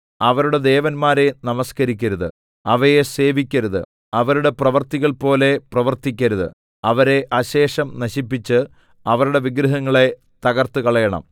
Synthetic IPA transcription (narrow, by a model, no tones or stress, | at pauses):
ɐʋɐɾuɽe̞d̪e̞ːʋɐnmaːɾe̞nɐmɐskɐɾikʲːɐɾuðɨ̰ | ɐʋɐjese̞ːʋikʲːɐɾuðɨ̰ | ɐʋɐɾuɽe̞prɐʋɐrt̪iɣɐɭpo̞ːle̞prɐʋɐrt̪ikʲːɐɾuðɨ̰ | ɐʋɐɾe̞ʔɐɕe̞ːʂɐmnɐɕipːit͡ɕːɨ | ɐʋɐɾuɽe̞ʋiɡɾɐɦɐŋːɐɭe̞ | t̪ɐɣɐrt̪ɨkɐɭɐjɐɳɐ̰m